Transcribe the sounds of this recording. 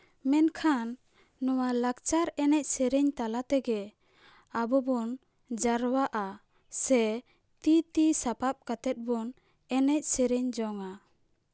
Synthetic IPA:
mɛnkʰanː | ɔwalak̚t͡ʃaɾɛnɛc̚sɛɾɛɲt̪alat̪ɛɡɛ | abɔbɔn | d͡ʒaɾwaʔa | sɛ | t̪it̪isapap̚kat̪ɛt̪̚bɔn | ɛnɛc̚sɛɾɛɲd͡ʒɔŋa

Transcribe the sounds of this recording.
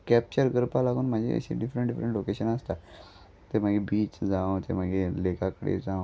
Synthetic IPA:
kæp̚t͡ɕəɾɡəɾpalaɡuːnm̤əd͡ʑʱḛə̰ɕḛɖifɾəɳɖifɾəɳʈlokeɕənəst̪a | t̪eɾm̤əɡebiːt͡ɕd͡zãʋt̪em̤əɡʱelekakəɽḛd͡zãʋ

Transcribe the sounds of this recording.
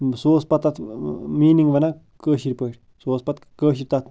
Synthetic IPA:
soːspɐt̪ːat̪ʰmiːniŋɡʋɐna | kəːʃiɾʲpəʈʲ | soːspɐt̪kəːʃiɾʲt̪at̪

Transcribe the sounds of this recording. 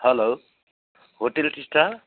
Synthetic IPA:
hʌlow | ɦoʈelʈisʈa

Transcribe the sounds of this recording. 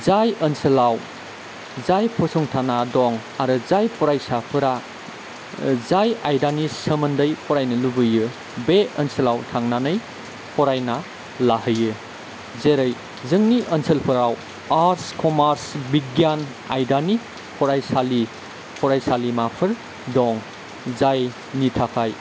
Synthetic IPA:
zajənsɐlaw | zajpʰɔsɔŋtʰanadɔŋ | aɾɯzajpʰɔɾajsapʰɯɾa | zajajdanisəmɐndəjpʰɔɾajnɐlubɯjɯ | beənsɐlawtʰaŋnanɯj | pʰɔɾajna | laɦɯjɯ | zeɾɯj | zɯŋniʔənsʰəlpʰɯɾaw | aɾskɔmaɾsbiɡjan | a̰jdani | pʰɔɾajsali | pʰɔɾajsalimapʰɯɾ | dɔŋ | zaj | nitʰapʰaj

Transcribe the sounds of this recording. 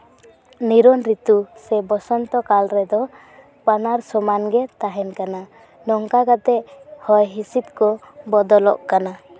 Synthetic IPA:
niɾɔnɾit̪usɛbɔsɔnt̪ɔkalɾɛd̪ɔ | panaɾsɔmanɡɛt̪aɦɛnkana | nɔŋkaɡat̪ɛhɔjɦisit̪̚kɔ | bɔd̪ɔlɔʔkana

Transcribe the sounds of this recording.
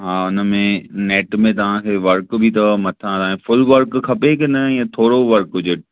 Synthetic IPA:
ɦãːʊnəmẽneːʈmẽt̪ɐʋ̤ãkʰeʋɐɾkbʱit̪̬ɐmɐt̪ʰãt̪ɐʋãẽfʊlʋɐɾkkʰɐpekɪnəjãt̪ʰoːɽoʋɐɾkʊd͡ʑeʈ

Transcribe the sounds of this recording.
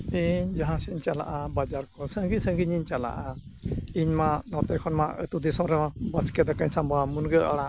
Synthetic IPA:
iɲd͡ʒaɦãsiɲt͡ʃala̰ʔabad͡ʒaɾkɔsəŋɡisə̃ŋɡiɲiɲt͡ʃala̰ʔaiɲmanɔt̪ɛkʰɔnmaə̰t̪ud̪isɔ̃ɾɛmabaskɛd̪akaɲsambamunɡəʔaɽa

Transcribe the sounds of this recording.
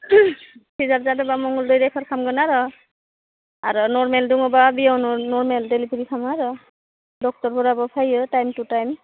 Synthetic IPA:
kʰizatzadɔbamɔŋɔldɔjdɛpʰaɹkʰamɡɔnaɾɔ | aɹɔnɔɹmɛlduŋɔbabiawnɔnɔɹmɛldelitʰiɹikʰamaɹɔ | dɔk̚tɔɹpʰɔɾabɔpʰajɔtajmtutajm

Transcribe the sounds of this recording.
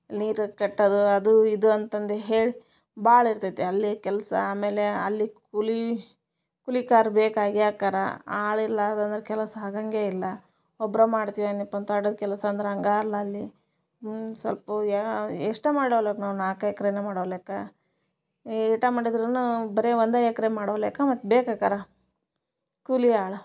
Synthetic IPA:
niːɾkɛʈːɐd̪uɐd̪uid̪uɐnt̪ɐnd̪eɦeːɭi | baːɭiɾt̪at̪ːeɐlːikɛlɐsɐ̰aːmeːleɐlːikuli | kulikaːɾbeːkaːɡijaːkaːɾɐ̰aːɭilːad̪ɐnd̪ɾekɛlɐsaɡɐŋɡeːilːɐ | ɔbɾɐmaːɽt̪iʋanipːɐnt̪aːɽod̪kɛlɐsɐːnd̪ɾeɐŋɡaːɐlːɐːlːi | sɐlpɐaeʂʈɐmaːɽiɽoːeːkɐnaːʋunaːkɐjɐkɐɾenemaːɽoʋleːkɐ | iʈamaːɽid̪ɾɐnubɐɾeond̪ajɐkɐɾemaːɽoːleːkɐmɐt̪ːbeːkakaːɾɐ | kuliaːɭu

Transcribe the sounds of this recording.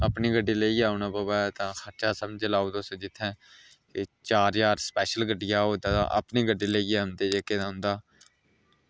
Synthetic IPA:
əpniːɡəɖiːleiːaːʊnaːbaːbaːt̪ãːkʰəɾt͡ʃaːsəmd͡ʒelaːuːd̪osõd͡ʒ̪ɪt̪ʰːɛ̃ː | ket͡ʃaːɾjaːɾspɛːʃəlɡəɖɪjaːɦoːd̪aːt̪ã̰ːʔə̰pniːɡəɖːiːləiaːʊnd̪eːd͡ʒeːked̪aːɦʊ̃nd̪aː

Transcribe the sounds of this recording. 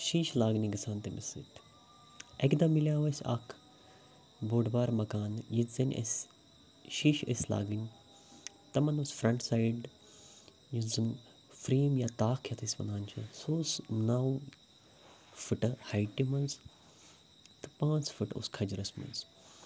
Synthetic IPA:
ʃiːʃlaːɡnʲiɡisaːnt̪emɪ̰sḭt̪ʰ | ekd̪ɐmːiljaːʋɐsʲɐ̰kʰ | boːɖbaːɾmɐkaːnjizɐnʲʔḛs | ʃiːʃesla̰ːɡnʲ | t̪ɐmɐnusfɾɐɳʈsaːiɖ | jizɨn | fɾiːmjaːt̪aːkʰjɐt̪ʰisʲʋɐ̰nd̪aːnt͡ʃʰɐsoːsnaw | fʊʈhajʈːimɐnz | t̪ɨ̥pãːt͡sfʊʈo̰skʰɐd͡ʒɾɐsmɐ̰nz

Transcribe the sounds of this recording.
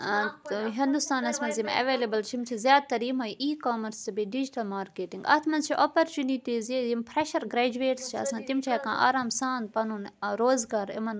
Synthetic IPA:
ɦĩnd̪ust̪aːnɐsmɐ̃nzimɐ̰ʋeːlebɐlt͡ʃʰimt͡ʃʰizʲjaːd̪̚t̪ɐɾimɐjʔiːkoːmɐɾsbiɖid͡ʒiʈɐlmaːɾkeːʈĩŋɡɐ̰t̪ʰmɐnzt͡ʃʰiʔopoɾt͡ʃuːniʈiːzizimpʰɾeʃɐɾɡɾeːd͡ʒueːʈst͡ʃʰiɐ̰sãːnt̪imt͡ʃʰiɛkã̰ːʔa̰ːɾaːmsãːnd̪̚pɐnuːnɾoːzɡaːɾɪ̰mɐn

